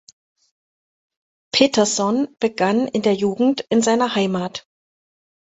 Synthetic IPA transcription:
pʰeːtɐzɔnb̥əɡanɪndeːɐjuːɡŋ̩tʔɪnzaɪnɐhaɪmaːt

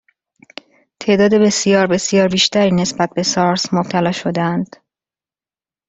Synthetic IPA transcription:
t̪ʰe̞ʔd̪ɒːd̪ebe̞sijɒːɾbe̞sijɒːɾbiːʃt̪ʰæɾiːne̞sbæt̪̚be̞sɒɾsmob̥̚t̪ʰælɒːʃo̞d̪eænd̪̥

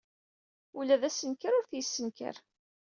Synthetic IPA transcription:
ulæðæsənkəɾʊɾθjəsːənkə̰ɾ

